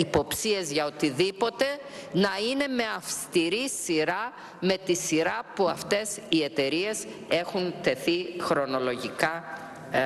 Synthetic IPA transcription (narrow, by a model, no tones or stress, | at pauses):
ipo̞psie̞zʝɐo̞t̪iðipo̞t̪e̞ | nɐine̞me̞ɐfst̪iɾisiɾɐ | me̞t̪isiɾɐpuɐft̪e̞sie̞t̪e̞ɾie̞se̞xunt̪e̞θixɾo̞no̞lo̞ʝikɐ